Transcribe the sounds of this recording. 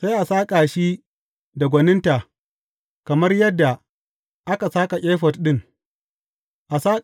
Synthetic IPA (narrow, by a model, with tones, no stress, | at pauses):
sa˦jʔa˨saː˦kʼaː˨ʃi˦ | da˨ɡʷɐ˨nɪ˦nta˨ | kɐ˨mɐ˦rjɐ˦dːa˨ | ʔa˦ka˨saː˦ka˨kʲʼeː˦ɸɐ˨tɗɪ˦ŋ | ʔa˨saː˦kʼ